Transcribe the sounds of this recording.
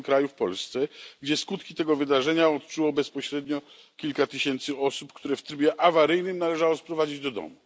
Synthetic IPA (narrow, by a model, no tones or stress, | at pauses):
kɾajufpɔ̰lst̪sɛɡd͡ʑɛskut̪kʲit̪ɛɡɔvɘd̪aʐɛɲaɔt̪̚t͡ʂuwɔbɛspɔɕɾɛd̪ɲɔ | kʲilkat̪ɘɕɛnt̪sɘɔsupkt̪uɾɛft̪ɾɘbʲjɛʔavaɾɘjnɘmnalɛʐawɔspɾɔvad͡ʑid͡ʑd̪ɔd̪ɔ̰mu